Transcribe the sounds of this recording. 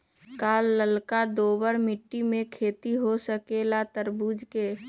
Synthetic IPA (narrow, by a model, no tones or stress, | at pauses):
kaːlːəlkad̪oːbəɾmɪʈːimẽkʰeːt̪iɦosəkelat̪əɾbuːd͡ʒke